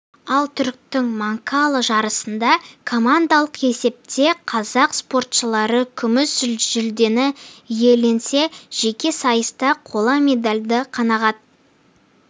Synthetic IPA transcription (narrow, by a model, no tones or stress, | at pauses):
ɑlˠt̪ʰʏɾk̚t̪ɪŋmɑŋkalˠəʒɑɾəsənd̪ɑkʰo̞mand̪alˠəqe̞se̞p̚t̪e̞qʰɑzɑqspo̞rt̪ʃəlˠɑɾəkʲʰʏmɪsʒʏlʒʏld̪e̞nɪje̞le̞nse̞ʒ̥e̞kʲe̞sɑjəst̪ɑqʰo̞lˠɑmʲe̞d̪alʲd̪ɪqʰɑnɑʁɑd̪